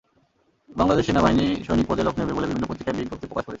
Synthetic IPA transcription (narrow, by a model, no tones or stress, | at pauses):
baŋlad̪eʃenabainiʃonik̚pod͡ʑaloknebebolebibʱinːopɾot̪ɾikːaɾbiɡʱːopt̪epɾokaʃkoɾet͡ɕʰe